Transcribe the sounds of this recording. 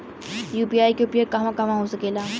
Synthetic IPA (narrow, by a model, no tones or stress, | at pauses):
juːpiaːikepiəkɐʋãkɐʋãɦosəkeːlaː